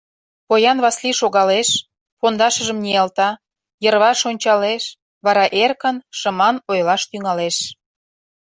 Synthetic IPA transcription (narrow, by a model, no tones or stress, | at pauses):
pojɑnβɑsliʃoɣɑleʃ | pond̪ɑʃə̆ʒə̆mnʲiɑlt̪ɑ | jərβɑʃonʲt͡ɕɑleʃ | βɑɾɑʔerkənʃə̆mɑnojlɑʃt̪yŋɑleʃ